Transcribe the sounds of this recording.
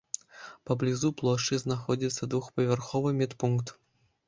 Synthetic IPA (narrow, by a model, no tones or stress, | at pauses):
pɐblʲizuplˠoʂɨznaxodʲit̪sːɐd̪vuxpɐvʲerxoʋɨmʲet̪puŋkt̪